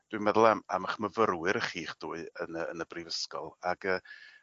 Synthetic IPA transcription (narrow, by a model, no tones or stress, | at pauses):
d̥wiɨmɛðʊlˠama̰maχməvəɾwɨɾəχiːχd̥uːɨənəːnəbrivəskɔlˠaɡ̥əː